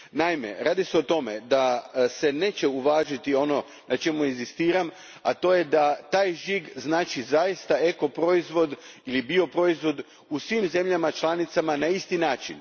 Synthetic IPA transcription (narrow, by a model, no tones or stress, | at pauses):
naime̞̰ɾaːd̪iseo̞t̪o̞me̞d̪ase̞ne̞ːt͡ɕe̞uʋaːʒit̪io̞no̞ | nʔat͡ʃe̞muezist̪iːɾam | at̪o̞ːje̞d̪at̪aːjʒiɡznaːt͡ʃizaist̪ae̞ko̞pɾo̞izʋo̞d̪ilibio̞pɾo̞izʋo̞d̪ | usʋimze̞mʎamat͡ʃlanit̪samanaist̪inaːt͡ʃin